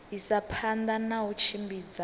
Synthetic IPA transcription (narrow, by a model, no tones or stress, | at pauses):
isapʰand̪anaut͡ʃʰimbiːd͡za